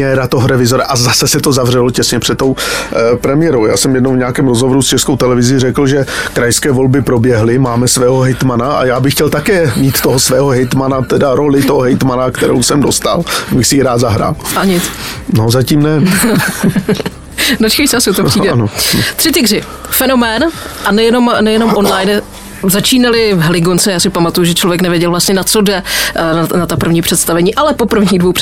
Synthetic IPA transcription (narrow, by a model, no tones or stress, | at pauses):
ɛɾat̪oɦoɾɛvɪzoɾaʔazasɛsɛt̪o̞zavr̝ɛlocɛsɲɛpr̥ɛt̪tːo̞wpɾɛmɪjɛɾowja̰ːsɛmjɛdnowvɲaːkɛːmɾozɦovoɾust͡ʃɛskowt̪ɛlɛvɪzɪrɛkl̩ʒɛkɾajskɛːvo̞lbɪpɾo̞bjɛɦlɪmaːmɛsvɛːɦoɦɛjt̪manaʔa̰jaːbɪxcɛlt̪akɛːmiːt̪t̪ːoɦosvɛːɦoɦɛjt̪manat̪ɛdaɾo̞lɪt̪oɦoɦɛjt̪manakt̪ɛɾo̰wsɛmdo̞st̪a̰lbɪxsɪjiɾaːt̪zaɦɾa̰ːlʔaɲɪt͡snozaciːmnɛ | dot͡ʃkɛjsɛasɪuwt̪opr̥iːdɛanot̪r̥ɪt̪ɪɡrɪ | fɛno̞mɛːnʔanɛjɛno̞mnɛjɛno̞mʔo̞nlajn | zat͡ʃiːnalɪvɦɛlɪɡont͡sɛjaːsɪpamat̪ujuʒɛt͡ʃlo̞vjɛknɛvjɛɟɛlvlast̪ɲɛnat͡so̞dɛnanat̪apr̩vɲiːpr̥ɛt̪st̪avɛɲiːʔalɛpo̞pr̩vɲiːɣdvowp